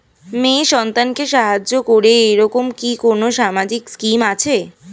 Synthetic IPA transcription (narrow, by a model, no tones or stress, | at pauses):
meʃɔnt̪ankeʃaɦad͡ʑokoɾeeɾɔkomkikonoʃamad͡ʑikskimat͡ɕʰe